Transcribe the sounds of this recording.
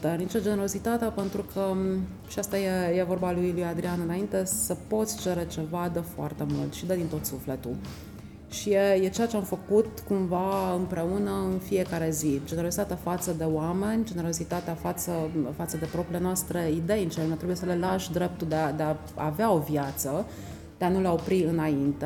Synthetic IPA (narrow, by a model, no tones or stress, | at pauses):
t̪enit͡ʃed͡ʒeneɾo̞zit̪at̪eapent̪ɾukʰə | ʃiast̪ajejevo̞rbalujiljuad̪ɾianɨnaint̪e̞səpo̞t̪sʲt͡ʃe̞ɾe̞t͡ʃe̞vad̪əfoa̰rt̪emṵlt̪ʃid̪əd̪int̪o̞t̪suflet̪u | ʃijejet͡ʃejat͡ʃeamfəkut̪kumvaɨmpɾe̞unəɨnfije̞kaɾe̞zid͡ʒeneɾo̞sit̪at̪eafat̪səd̪e̞oame̞nʲd͡ʒe̞neɾo̞zit̪at̪eafat̪səfat̪səd̪e̞pɾo̞pɾilenoast̪ɾe̞id̪e̞jint͡ʃeonat̪ɾebuje̞səlelaʃd̪ɾe̞p̚t̪uld̪ead̪ea | a̰veao̞vjat̪sə | d̪̥eanulao̞pɾiɨnaint̪e